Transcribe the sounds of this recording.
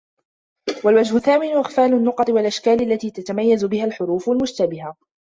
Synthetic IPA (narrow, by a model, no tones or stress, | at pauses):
walwad͡ʒhʊθaːmɪnʊʔɪxfaːlʊnːʊqɑt̪ˤɨwalʔaʃkaːlalːat̪iːt̪at̪amajːazʊbɪhalħʊɾuːfalmʊʃt̪abɪɦa